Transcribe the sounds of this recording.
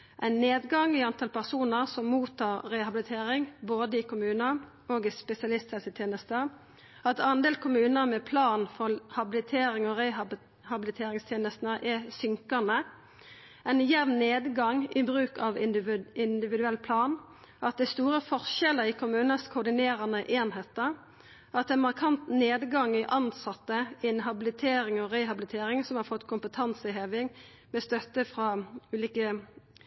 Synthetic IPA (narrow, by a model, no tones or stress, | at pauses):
ʔæɪnːeːd̪ɡɑŋiɑnt̪ʰɑlpæʁsuːnəʁsɔmːuːt̪ʰɑːʁːɛhɑbɪlɪt̪ʰeːɾɪŋboːd̪əɪkʰʊmʉːnə | oːɡɪspɛsɪɑlɪst̪ʰhɛlsət̪ʰjeːnəst̪ə | ɑt̪ʰɑnd̪eːlkʰʊmʉːnəɾmɛpʰlɑːnfɔʁhɑbɪlɪt̪ʰeːɾɪŋɔʁɛ | hɑbɪlɪt̪ʰeːɾɪŋst̪ʰjeːnəst̪nəʔɛsʏŋkənə | æɪnjɛʋnneːd̪ɡɑŋɪbʁʉːkɑʋɪɪnd̪ɪʋɪd̪ʉɛlːpʰlɑːn | ɑt̪̚d̪ɛst̪uːɾəfɔʁʃɛlːəɾɪkʰʊmʉːnəskʰʊd̪ɪneːɾɑnəʔeːnheːt̪ə | ɑt̪d̪ɛnmɑʁkʰɑnt̪neːd̪ɡɑŋɪʔɑnsɑt̪ːəɪɛnɦɑbɪlɪt̪ʰeːɾɪŋɔʁɛɪɦɑbɪlɪt̪ʰeːɾɪŋsɔmhɑɾfɔt̪ːkʰʊmpət̪ʰɑnsɪheːʋɪŋ | mɛst̪œt̪ːəfʁɑʉːliːkə